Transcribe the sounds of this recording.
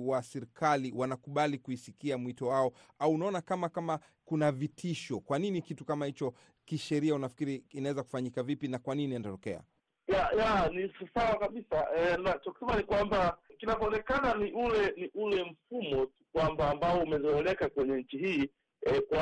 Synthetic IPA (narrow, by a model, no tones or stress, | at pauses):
wasɛɾikʰaliwanakuɓalikuisikiamwitɔwaɔ | auːnaɔnakamakama | kunavitʰiʃɔkwaninikitukamahit͡ʃɔ | kiʃɛɾiaunafi̥kiɾiinawɛzaku̥faɲikavipinakwaninianatɔkɛa̰ | jajanisawakaɓisaɛnat͡ʃɔkusɛmanikwambakinavɔːnɛkananiʔulɛniʔulɛm̩fumɔtukwambaːmbaɔumɛzɔɛlɛkakwɛɲɛɲ̩t͡ʃihiː | ɛkwa